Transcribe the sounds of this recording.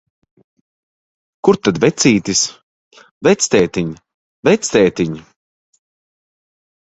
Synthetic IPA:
kuɾt̪ad̪vɛt̪sʲiːt̪is | vɛt̪sʲt̪ɛːt̪iɲ | vɛt̪sʲt̪ɛːt̪iɲ

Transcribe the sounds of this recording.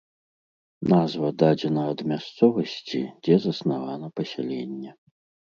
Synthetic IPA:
nazvɐd̪ad͡zʲɛnɐːd̪mʲast̪sɔvɐsʲt͡sʲid͡zʲɛzɐsnavanɐpɐsʲɛlʲɛnʲːɛ

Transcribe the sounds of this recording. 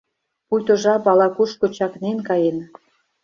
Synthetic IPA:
pujt̪ŏʒɑpɑlɑkuʃkot͡ɕɑknenkɑjen

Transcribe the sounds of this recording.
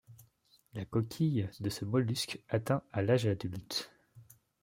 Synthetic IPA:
lakɔkʲʰijd̪əsəmɔlyskat̪ɛ̃alaʒad̪ylt̪

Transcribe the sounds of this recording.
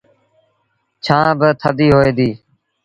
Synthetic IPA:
t͡ʃʰãːbət̪ʰəd̪iːɦoːeːd̪iː

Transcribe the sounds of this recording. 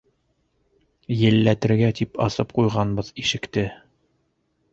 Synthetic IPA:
jɘ̆lːæt̪ɘ̆ɾɡæt̪ipɑ̰sɤp̚qujʁɑnbɤðiʃɘ̆kt̪ɘ

